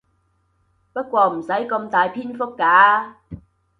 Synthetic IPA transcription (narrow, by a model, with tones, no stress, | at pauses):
pɐ˥t̚kʷɔː˧m̩˨˩sɐ˨˥jkɐ˧mt̪aː˨jpʰiː˥nfʊ˥kːaː˨˥